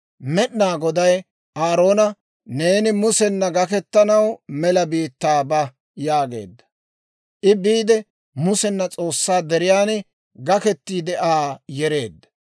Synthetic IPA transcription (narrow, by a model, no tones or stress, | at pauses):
mɛɗnaːɡɔd̪ɐj | ʔaːɾo̞ːnɐ | ne̞ːnɪmʊsɛnːɐɡɐkɛt̪ːɐnɐwmɛlɐbiːt̪ːaːbɐ | jaːɡe̞̰ːd̪ːɐ̥ | ʔɪbiːd̪ɛ | mʊsɛnːɐt͡sʼo̞ːsːaːd̪ɛɾɪjaːn | ɡɐkɛt̪ːiːd̪ɛʔaːjɛɾe̞̰ːd̪ːɐ̥